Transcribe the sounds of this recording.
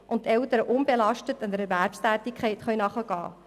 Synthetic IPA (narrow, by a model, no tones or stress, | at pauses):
ʔʊntːɛltəɾəʔʊnbelɑʃtətɪnd̪əɾɛɾværpstæːtikχɛɪtχœʏnɑχəɡ̥ɑ̰ː